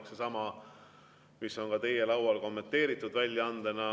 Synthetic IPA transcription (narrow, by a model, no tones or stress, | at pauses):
ksesɑmɑ | miso̞nkɑt̪e̞je̞lɑwɑlko̞mːe̞nt̪ːe̞ːɾit̪ːˑud̪̥vælʲjɑɑnd̪̥enɑ